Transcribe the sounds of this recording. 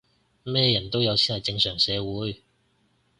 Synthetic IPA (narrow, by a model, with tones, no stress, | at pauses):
mɛː˥jɐ˨˩nt̪o˥wjɐ˨˧wt͡ssʰi˥nɐ˨˩jt͡sɪ˧ŋsœː˨˩ŋsɛː˨˧wuː˨˧˥j